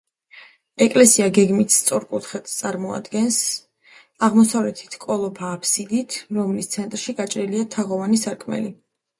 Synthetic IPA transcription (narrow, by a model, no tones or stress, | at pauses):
ɛkʼlɛsiaɡɛɡmit̪ʰst̪sʼɔɾkʼut̪ʰχɛt̪t̪sʼaɾmɔa̰d̪ɡɛns | aʁmɔsavlɛt̪ʰi̥t̪ʰkʼɔlˠɔpʰaːpʰsid̪it̪ʰɾɔmlist̪sʰɛnt̪ʼɾʃiɡat͡ʃʼɾiliat̪ʰaʁɔvanisaɾkʼʰmɛ̰li